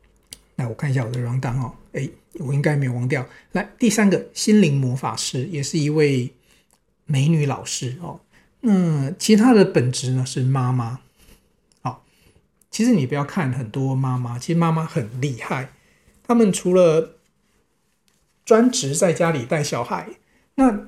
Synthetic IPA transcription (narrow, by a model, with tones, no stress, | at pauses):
na˥˩wɔ˨˩kʰa˥˧n˧ɕja˥˩wɔ˨d̪ə˦ɻwɑ˧˥ŋt̪ɑ˥ŋɔ˨˩e˥ɪ | wɔ˨˩i˦˥ŋka˥ɪme˥˧o˨ʊwɑ˧˥ŋt̪jɑ˥˨ʊna˥˧t̪i˥˩sa˥nɡə˨ɕi˥nli˧˥ŋmwɔ˧˥fa̰˨˩ʂɻ̩˥˩jɛ˨˩ʂɻ̩˥˩i˧˥we˥˩ɪ | me˧˥ɪny˨˧˥lɑ˨˩ʊʂɻ̩˥xɔ˨˩ | na˥˧t͡ɕʰi˧ʂt̪ʰa˥d̪ə˨pə˨˩nʈ͡ʂɻ̩˧˥nə˧ʂɻ̩˥˩ma˦˥ma˦ | xɔ˨˩ | t͡ɕʰi˧˥ʂɻ̩˧˦ni˨˩pu˧˥jɑ˥˧ʊkʰa˥˨nxə˨˩nt̪wɔ˦ma˥ma˥t͡ɕʰi˧˥ʂɻ̩˧ma˥ma˦xə˨˩nli˥˧xa˥˩ɪ | t̪ʰa˥mə˨nʈ͡ʂʰu˧˥lə˨ | ʈ͡ʂwa˥nʈ͡ʂɻ̩˧˥t͡sa˥˩ɪt͡ɕja˥li˨˩t̪a˥˩ɪɕjɑ˨˩ʊxa̰˧˥˦ɪ | na˥˨